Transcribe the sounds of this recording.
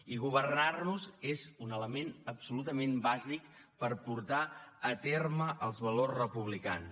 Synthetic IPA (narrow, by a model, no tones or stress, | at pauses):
iɣuβ̞ərnarnuzezunələmenəpsulut̪əmẽmbazik | pəɾpuɾt̪aət̪erməʔəlˠzβəlorzrəpuβlika̰ns